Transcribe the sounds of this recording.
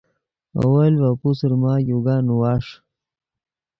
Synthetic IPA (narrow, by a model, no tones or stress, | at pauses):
a̰walwapusəɾmaːjuɡanuwaːʂ